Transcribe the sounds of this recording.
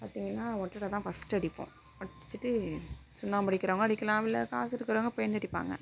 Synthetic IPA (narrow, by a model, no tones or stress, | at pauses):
paːɾt̪iːŋɡɐnːaːɔʈːɐɾɐt̪ãːfɐsʈɐɽɪpːõ̰ | pɐʈːɪt͡ʃːɯʈːɯsʊnːaːmpɐɽɪkːɪɾoːŋɡɐːɽɪkːɐlãːʋɪlːɐka̰ːsɪɾɯkːɯɾoːŋɡɐpɔjɐnɐɽɪpːa̰ːŋɡɐ̰